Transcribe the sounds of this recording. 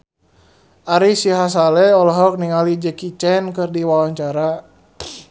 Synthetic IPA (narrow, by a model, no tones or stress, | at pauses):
ʔaɾisiɦas̬alɛɔlɔɦɔk̚niŋalid͡ʒəkit͡ʃɛnkɨrdiwawaɲt͡ʃaɾa